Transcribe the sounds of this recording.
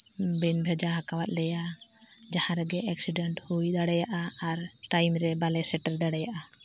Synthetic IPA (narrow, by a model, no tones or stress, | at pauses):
bɛnbʱɛd͡ʒaɦakawat̪̚lɛja | d͡ʒahãɾɛɡɛʔɛksiɖɛɳʈujdaɽɛjaʔaːɾ | ʈajmɾɛbalɛsɛʈɛlɖaɽɛjaʔa